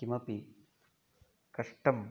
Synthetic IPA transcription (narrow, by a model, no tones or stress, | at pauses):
imɐpi | kɐʂʈɐm